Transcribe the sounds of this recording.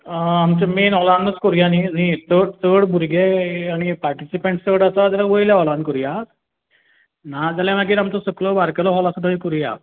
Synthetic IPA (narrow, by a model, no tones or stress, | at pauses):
amt͡ɕamenɔlanːət͡skɔɾjaninit̪əɽt̪əɽbʱuɾɡeaɽ̃ipaɾʈisipeɳʈst͡səɽasad͡zaɾaʋəjljaɔlankuɾja | nad͡zaljãʋaɡiːɾamt͡sɔsəklɔbaɾkəlɔɦɔlasəd̪ʱəikuɾja̰